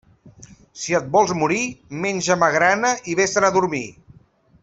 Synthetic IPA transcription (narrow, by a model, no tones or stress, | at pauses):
siət̪̚bɔlˠzmuɾimenʲʒəmaɣɾanəʔiβesənəðuɾmi